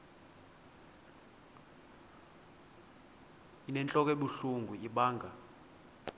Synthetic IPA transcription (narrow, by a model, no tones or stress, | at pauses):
inɛnt͡ɬʼɔk̬ʼeɓuɬuŋɡʱuiɓaːŋʱa